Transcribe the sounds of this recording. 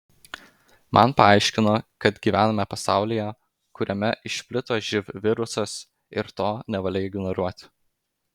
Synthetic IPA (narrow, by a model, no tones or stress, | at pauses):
mʔɐ̰npɐɑˑɪʃʲkʲɪnoːkɐt̪ɡʲiːʋʲæːnɐmʲɛpɐsɑˑʊlʲijɛ | kʊɾʲʔɛmʲɛʔɪʃʲpʲlʲɪt̪oːʒʲɪʋʋʲɪɾʊsɐs | ɪ̰ɾt̪oːnʲɛʋɐlʲɛɪɡʲɪnɔɾuɔt̪ʲ